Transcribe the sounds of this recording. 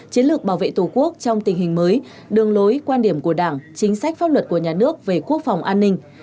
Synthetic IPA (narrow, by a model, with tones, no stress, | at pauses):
t͡ɕi˨˦nlɨ˨˩ək̚ɓaː˧˩wvḛ˧˨t̪u˧˩ku˦˥ək̚t͡ɕɔ˧wŋ͡mt̪ï˨˩ŋ̟hï˨˩ŋ̟məː˨˦j | ɗɨ˨˩əŋlo˨˦jkwaː˧nɗi˧˩əmku˧˩əɗaː˧˩ŋt͡ɕï˨˦ŋ̟sa˦˥k̟̚faː˦˥p̚lwə˨˩t̚ku˧˩əɲaː˨˩nɨ˦˥ək̚ve˨˩ku˦˥ək̚fa˨˩wŋ͡mʔaː˧nːï˧ŋ̟